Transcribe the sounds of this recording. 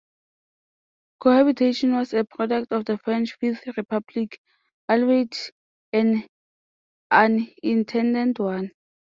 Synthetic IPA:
kʰohabitʰeʃɔ̃nwɔsəpʰɹɔdɛktɔfdəfɹɛ̃nt͡ʃfiθɹipʰablikʰ | alwet | ɛ̃n | ãnĩntʰɛ̃ndɛ̃ntʰwãn

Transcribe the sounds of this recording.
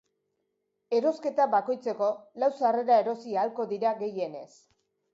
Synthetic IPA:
e̞ɾo̞ske̞t̪aβako̞jt͡se̞ko̞lawsare̞ɾae̞ɾo̞siaːlko̞ðiɾaɣe̞je̞ne̞s

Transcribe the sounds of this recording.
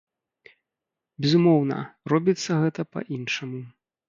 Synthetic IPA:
bʲɛzumɔwnɐ̰ɾɔbʲit̪sːɐɣɛt̪ɐpɐ̰ʔinʂɐmu

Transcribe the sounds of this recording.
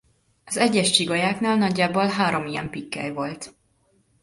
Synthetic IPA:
ɒzɛɟːɛʃt͡ʃiɡɒjaːknaːlnɒɟːaːbolɦaːɾo̞mijɛ̰mpikːɛ̰jvo̞lt̪

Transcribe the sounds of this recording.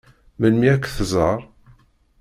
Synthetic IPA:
mənmiækʷːθzˤəɾˤ

